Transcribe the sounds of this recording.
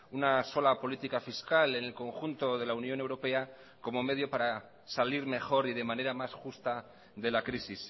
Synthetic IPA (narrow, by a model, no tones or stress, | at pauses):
unaso̞lapo̞lit̪ikafiskale̞ne̞lko̞ŋxunt̪o̞ðe̞launjo̞ne̞wɾo̞pe̞a | ko̞mo̞me̞ð̞jo̞paɾa | saliɾme̞xo̞ɾið̞e̞mãne̞ɾamasxust̪a | ðe̞lakɾisis